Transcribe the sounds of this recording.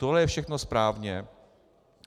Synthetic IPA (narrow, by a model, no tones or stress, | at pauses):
t̪oɦlɛjɛfʃɛxnospɾaːvɲɛ